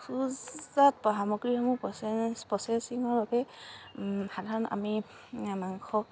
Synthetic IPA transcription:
kʰuzatpɔɦamɔɡɹihɔmupɔsɛsiŋɔɹɔkɛ | xadʱaɹɔna̰mi | maŋkʰɔ

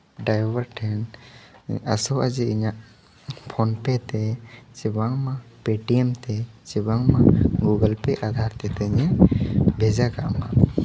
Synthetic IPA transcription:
ɖajbəɾʈʰɛn | a̰sɔad͡ʒiiɲaʔ | pʰɔnpɛt̪ɛt͡ʃɛbaŋmapeʈiɛmt̪ɛt͡ʃibaŋmaɡuɡəlpɛʔad̪ʱaɾt̪ɛt̪ɛɲɛbʱɛd͡ʒakaʔma

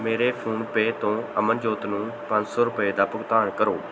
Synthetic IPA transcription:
meːɾeːpʰuːɳpeːt̪õːəmənd͡ʒoːt̪nũːpə̃ɲd͡ʒsɔːɾʊpeːd̪aːpʊɡt̪aːnkəɾoː

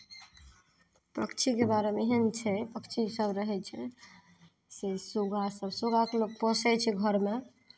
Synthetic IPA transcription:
pɾə̰kt͡ʃʰikebaɾemeɦənt͡ʃʰɛpəkt͡ʃʰisəbɾəɦɛt͡ʃʰɛ | sesuɡasəbsuɡakelok̚pɔsɛt͡ʃʰɛɡʱəɾme

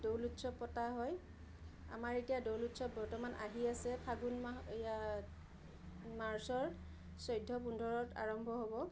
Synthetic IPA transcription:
dowlutsɔpɔtaɦɔj | a̰maɹetijadowlutsɔbɔɹtɔmanʔa̰ɦiasɛpʰaɡun | maɹsɔɹ | sɔjdʱːɔpundʱɔɹɔta̰ɹɔmbʱɔɦobɔ

